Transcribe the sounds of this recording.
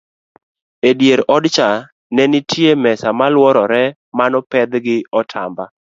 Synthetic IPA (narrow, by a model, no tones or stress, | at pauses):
edjeɾɔdt͡ʃa | nɛnɪtʰjemɛsamalwɔɾɔɾɛ | manɔpɛd̪ɡɪɔtʰa̰mba